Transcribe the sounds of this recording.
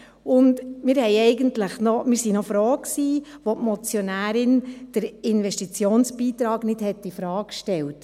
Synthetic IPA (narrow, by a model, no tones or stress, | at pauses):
ʊndmɪːɾhɛɪɛɪɡəntləχnomɪːɾsinofɾɔːkksiːʋotmɔt͡sjɔnæːɾɪnd̥əɾɪnʋɛʃtit͡sjoːnsb̥iːt̪ɾɑːɡnɪd̥hɛtːifɾɑːkʃtɛlt